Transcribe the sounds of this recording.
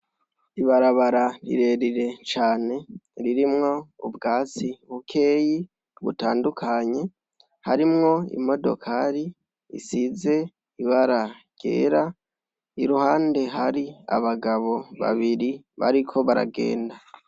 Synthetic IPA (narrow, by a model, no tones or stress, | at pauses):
iβaɾaβaɾaɾḭɾe̞ɾiɾe̞t͡ʃaːne̞ɾiɾimŋo̞ṵbɡaːt͡siβukʰe̞ːji | βṵtaːndukʰaɲe̞ | haɾimŋo̞ḭmo̞do̞̰kʰaɾi | ḭsize̞ | iβaɾaɟ̥ḛːɾa | iɾuhaːnde̞ɦaɾia̰βaɡaβo̞βa̰βiɾi | βa̰ɾikʰo̞βaɾa̰ɡe̞̰ːnda